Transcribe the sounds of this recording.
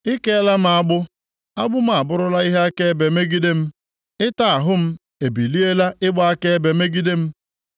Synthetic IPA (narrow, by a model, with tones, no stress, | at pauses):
ɪ˦ke˦la˦m̩˦a˦ɡ͡bʊ˦ | a˦ɡ͡bʊ˦m̩˦a˨bʊ˦ɾʊ˦la˦i˦ɦe˦a˦ke˦e˦be˨me˦ɡi˦de˦m̩˦ | ɪ˦ta˨a˨ɦʊ˦m̩˦ | e˨bi˨li˦e˦la˦ɪ˦ɡ͡ba˨˦a˦ke˦e˦be˨me˦ɡi˦de˦m̩˦